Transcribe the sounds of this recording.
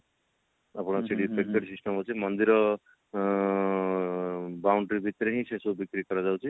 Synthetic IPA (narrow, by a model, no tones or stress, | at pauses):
apɔɽ̃ɔseɽipeʈkːeʈsisʈɔmɦɔt͡ʃʰimɔnd̪iɾɔ | bawɳʈɾibʱit̪ɾeɦĩsesubikɾikɔɾad͡ʒawt͡ʃʰi